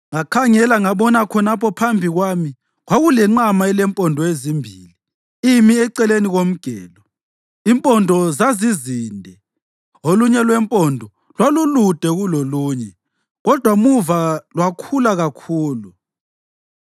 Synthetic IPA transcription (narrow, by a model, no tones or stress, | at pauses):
ŋakʰaŋɛlaŋaɓɔnakʰɔnapʰɔpʰambʱiɣwami | ɣwaɣulɛŋ͡ǀamaɛlɛmpʼɔndʱɔezimbʱiːli | imiɛǀɛleniɣom̩ɡ̥ʱɛ̰ːlɔ | impʼɔndʱɔzaziziːndʱɛ | oluɲɛlwɛmpʼɔndʱɔ | lwalulud̥ʱɛɣuloluːɲɛ | ɣɔd̥ʱwamuvalwakʰulaɣakʰuːlu